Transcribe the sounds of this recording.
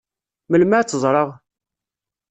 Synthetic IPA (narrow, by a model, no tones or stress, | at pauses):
məlmaʕt͡sːəzˤɾˤɑʁ